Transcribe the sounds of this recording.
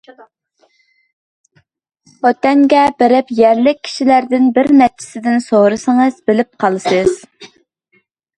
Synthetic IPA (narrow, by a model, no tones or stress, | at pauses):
ɔt̪ɛŋɡʲɛbɪɾɪpjɛɾlɪk̚ʲʰːi̥ʃilæɾd̪ɪnbɪɾmɛt̪̚t͡ʃʰɪ̥sɪd̪ɪnsoɾɨsəŋɨzbɪlɪp̚qʰɑlˠɨsɨz̥